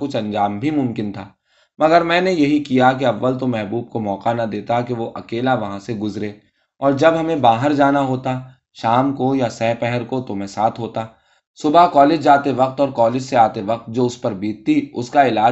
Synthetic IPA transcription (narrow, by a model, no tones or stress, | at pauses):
kʊt͡ʃʰɐ̃ɲd͡ʒaːmbʱimʊ̃mkɪnt̪ʰaː | mɐɡəɾmɛ̃ːnejɐɦikijak̬eɐʋːəlt̪̬omɛɦbuːb̚komɔːqanɐd̪eːt̪akeʋoʔɐkeːlaʋɐɦãseɡʊzɾeː | ɔːɾd͡ʒɐbɦɐmẽbaːɦəɾd͡ʒaːnaɦoːt̪a | ʃaːmkojasɛːpɛɦɛɾkot̪omɛ̃ːsaːt̪ʰɦoːt̪a | sʊbakɔːlɪd͡ʒd͡ʒaːt̪eʋɐq̚t̪ɔːɾkɔːlɪd͡ʒseaːt̪eʋɐq̚t̪̚d͡ʒoːʊspɐɾbiːt̪̚t̪iʊskaɪlaː